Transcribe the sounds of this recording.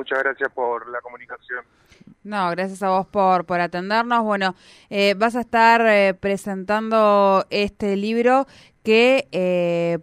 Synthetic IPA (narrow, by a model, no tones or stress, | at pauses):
mut͡ʃaɣɾasjaspoɾlakomũnikasjon | noɣɾasjasaβo̞spo̞ɾpo̞ɾat̪e̞nd̪eɾno̞zβwe̞no̞ | eβas̬aehst̪aɾpɾe̞se̞nt̪and̪o̞est̪eliβɾo | kee